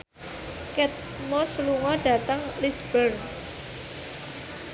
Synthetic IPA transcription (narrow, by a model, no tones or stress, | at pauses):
kɛt̪̚ | mɔsluŋɔɖ̥a̤t̪əŋlisb̥ərn